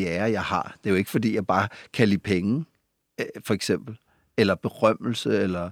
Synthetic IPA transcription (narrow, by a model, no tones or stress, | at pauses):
æːɐjɑ̈ɪhɑ̰̈d̥e̝æjoe̝ɡ̥əfɒ̽d̥ḭːjɑ̈ɪb̥ɑ̈ːkʰælipʰeŋə | fɒ̽eɡ̥sem̰b̥l̩ | elɐb̥e̝ʁɶm̰l̩səelɐ